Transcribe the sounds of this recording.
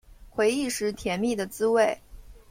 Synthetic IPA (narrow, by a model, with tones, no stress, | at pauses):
xwe˧˥ɪi˥˩ʂɻ̩˧˥t̪ʰjɛ˧˥nmi˥˩d̪ə˩t͡sɹ̩˥we˥˩ɪ